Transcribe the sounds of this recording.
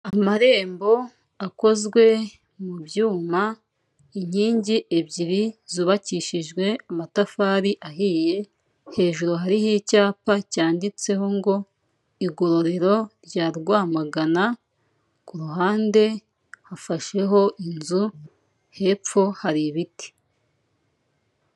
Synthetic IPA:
amaɾe̞ːmbo̞ | ako̞zɡwe̞ | muβjuːma | iɲiːɲɟiʔeβɟiɾiziβaciʃiʒɡwe̞amatafaːɾiʔahiːje̞ | he̞ːʒuɾuɦaɾihicaːpacaːndit͡se̞hoŋɡo̞ | iɡo̞ɾo̞ɾe̞ɾo̞ɾɟaːɾɡwaːmaɡana | kuɾuɦaːnde̞ | hafaʃe̞ɦo̞ʔinzu | he̞p͡fo̞haɾiβiti̥

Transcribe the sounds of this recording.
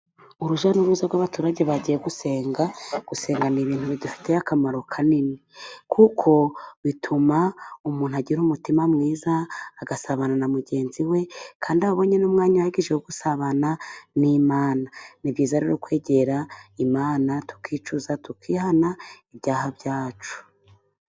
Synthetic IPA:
uɾuʒanuɾuːzaɾɡwaβatuːɾaɟeβaɟijeɡuse̞ːŋɡaɡ̥use̞ːŋɡaniβiːn̥huβidufi̥te̞jakamaɾokʰaninikʰukʰo̞βitʰumaumuːn̥uaɟiɾumutimamŋiːzaːɡasaβananamuɟe̞ːnziwe̞kʰaːndiaoβo̞ɲe̞numŋaːɲaaiɡiʒeuɡusaβananimaːnanibɟiːzaɾiɾokwe̞ːɟe̞ɾaimaːnatu̥kiːt͡ʃuzatukʰiːhanaiβɟaːhabjaːt͡ʃu̥

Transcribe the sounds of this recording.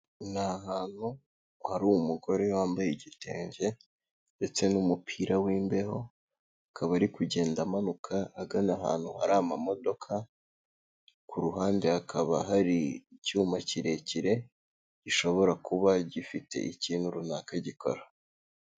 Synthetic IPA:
naɦaːn̥hu | haɾuumuɡo̞ɾe̞waːmbajeɟite̞̰ːɲɟe̞ | nde̞t͡se̞numupʰiɾawiːmbe̞ho̞ | akʰaβaɾikuɟe̞ːndamanukʰaːɡanaɦa̰ːn̥huha̰ɾamamo̞do̞kʰa | kuɾuɦaːnde̞hakʰaβa̰ɦaɾicuːmaciɾe̞ciɾe̞ | ɟiʃo̞βo̞ɾakuβaɟifite̞̰ʔiciːnhuɾunaːkaɟiko̞̰ɾa

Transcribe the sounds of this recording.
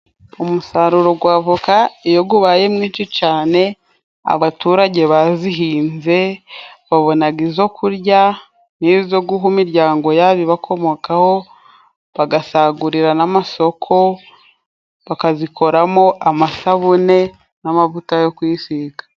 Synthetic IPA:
umusaɾuɾo̞ɡwaːvukaijo̞ɡuβaje̞mŋiːt͡ʃit͡ʃaːne̞ | a̰βatuːɾaɟe̞βaziɦiːnze̞βaβo̞naɡizo̞kʰuɾɟa | nizo̞ɡuɦumiɾɟaːŋɡo̞jaβiβakʰo̞mo̞kaho̞ | βaɡasaɡuɾiɾanamaso̞kʰo̞ | βakazikʰo̞ɾamo̞ʔamasaβune̞ | namavutajo̞kwiːsikḁ

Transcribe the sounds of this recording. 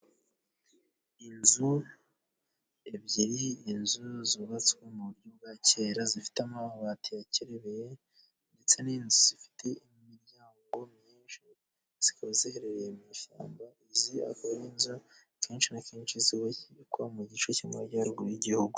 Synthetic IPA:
inzu | ebɟiɾiːnzuziβat͡swemuβuɾɟob̚ɡace̞ːɾazifi̥tamaβatʰijaciɾe̞βeje | nde̞t͡se̞niːnzuz̥ifi̥tʰe̞imiɾɟaːŋɡo̞mɲiːnʃi | z̥ikozeɾeɾemiʃa̰ːmbaizia̰koɾeinzu | kʰeːnʃinakeːnʃiziwaciβikwamuɟit͡ʃocimaɟaɾɡujiɟihuɡu

